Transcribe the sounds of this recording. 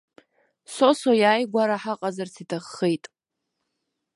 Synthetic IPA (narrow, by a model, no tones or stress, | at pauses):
sosojaːjɡʷaɾaħaqʼazart͡sʰitʰaχːejtʼ